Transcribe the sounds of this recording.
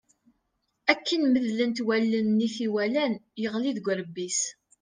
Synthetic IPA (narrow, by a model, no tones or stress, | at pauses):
ækːənməðlənt̪wælːənːiθiwælænjəʁliðɡʷəɾəbːis